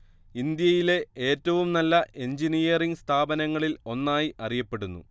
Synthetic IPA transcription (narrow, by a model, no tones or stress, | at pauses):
ind̪jɐjile̞e̞ːtːɐʋumnɐlːɐʔe̞ɲd͡ʑinijɐriŋst̪ʰaːbɐnɐŋːɐɭilo̞nːaːjiʔɐrijɐpːe̞ɽunːṵ